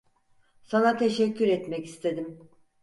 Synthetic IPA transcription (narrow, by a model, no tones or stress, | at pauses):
sanat̪ʰe̞ʃɛcʰːyɾɛt̪mɛcist̪ʰe̞d̪im